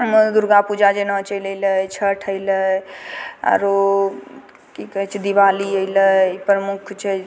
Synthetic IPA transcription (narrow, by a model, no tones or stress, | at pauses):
ɦəmd̪uɾɡapud͡ʒad͡ʒenət͡ʃəjlələt͡ʃʰəʈʰəɪlə | a̰ɾo | kikəɦɛt͡ʃʰid̪iʋaliəjləpɾəmukʰt͡ʃʰɛ